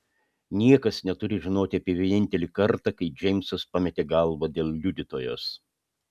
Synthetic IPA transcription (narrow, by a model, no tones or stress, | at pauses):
nʲiɛkɐsnʲɛt̪ʊɾʲɪʒʲɪnoːt̪ʲɪɐpʲiɛʋʲieːnʲɪnʲt̪ʲɛlʲiːkɐɾt̪ɑkɐɪd͡ʒʲɛɪmsospɑmʲɛt̪ʲeːɡɐlˠʋɐd̪ʲeːlˠlʲud̪ʲɪt̪oːjo̰ːs